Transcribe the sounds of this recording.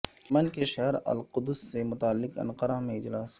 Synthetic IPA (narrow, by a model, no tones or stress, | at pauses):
mɐnkeʃɛɦɾɐ̰lqʊd̪ʊsːemʊt̪aːlːɪqɐ̰nqəɾamẽɪd͡ʒlaːs